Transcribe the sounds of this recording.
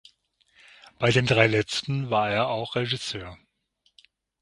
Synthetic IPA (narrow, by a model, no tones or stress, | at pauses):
b̥aɪdeːndʁaɪlɛt͡stn̩vaːɐeːɐaʊxʁ̥eʒɪsøːɐ